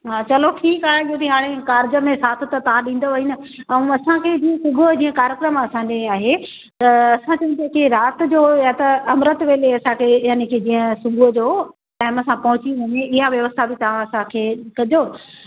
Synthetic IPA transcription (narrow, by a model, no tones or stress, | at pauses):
ɦaːt͡ɕɐlokʰiːkaːɾãɠijõt̪ʰiɦaːɽ̃ekaːɾɪd͡ʑə̆mẽsaːt̪ʰt̪ɐt̪ɐʋãɗĩːn̆d̪oʋɐɦinɪ̆ɛ̃ɐsãkʰed͡ʑiːə̃sʊɡʱod͡ʑĩːə̃kaːɾjəkɾəmɐsãd͡ʑeaːɦe | t̪ɐɐsãt͡ɕɐʋĩnt̪akiɾaːt̪̆d͡ʑoːjat̪ɐɐmɾət̪ʋeːleɐsãkʰejaːnekʰed͡ʑĩːə̃sʊɡʱod͡ʑoː | ʈaːɪmɐsãpɐɦʊt͡ɕiʋɐɲeɪɦaʋjɐʋəst̪ʰabʱɪt̪ɐʋ̤ãɐsãkʰeːkɐd͡ʑo